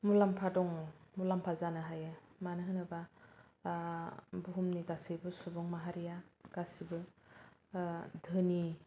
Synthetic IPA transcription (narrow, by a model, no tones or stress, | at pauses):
mulampʰadɔŋmulampʰazanɯɦajɯmanɯɦɯnɯba | buɦumniɡasijbɯsubɔŋmaɦaɾijaɡ̥asibɯ | dʱɯni